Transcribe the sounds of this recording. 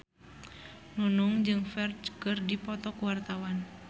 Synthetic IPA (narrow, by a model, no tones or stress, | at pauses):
nunuŋd͡ʒɨŋfɛrd͡ʒkɨrdipɔt̪ɔkuwart̪awan